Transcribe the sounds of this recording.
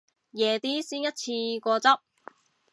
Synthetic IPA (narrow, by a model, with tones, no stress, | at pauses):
jɛː˨˧t̪iː˥siː˥njɐ˥t̚t͡sʰiː˧kʷɔː˧t͡sɐ˥p̚